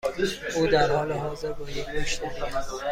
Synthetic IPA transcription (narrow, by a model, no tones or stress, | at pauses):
uːd̪æɾhɒːleɦɒːzeɾbud̪eɡoʃt̪e